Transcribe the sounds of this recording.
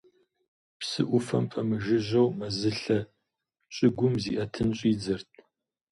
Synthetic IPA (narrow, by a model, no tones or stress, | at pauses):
psɨ̰ʔʷʊfɐmpʼɐmɨʒɪʑɐwmɐzɨɬɐ | ɕʼɪɡʷʊmzḭʔɐtʰɨnɕʼiːd͡zɐrt̚ʰʼ